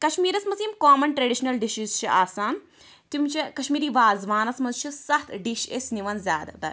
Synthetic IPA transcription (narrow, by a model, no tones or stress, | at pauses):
kɐʃmiːɾɐsmɐsimkaːmɐnʈɾɐɖiʃnɐlɖiʃizt͡ʃʰiaːsaːn | t̪imʲt͡ʃʰikɐʃmiːɾiːʋaːzʋaːnɐsmɐzt͡ʃʰusɐht̪ɖiʃesniʋɐnzʲjaːd̪ɐ̰d̪ɐ̰ɾ